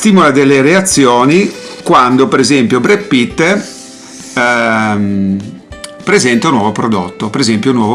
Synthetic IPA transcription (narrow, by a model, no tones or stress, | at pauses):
st̪iːmolad̪elːeɾeat̪sːjɔːnikwand̪opeɾezɛmpjobɾepːit̪ː | pɾezɛnt̪aunːwɔvopɾod̪ot̪ːopeɾezɛmpjounːwɔːvo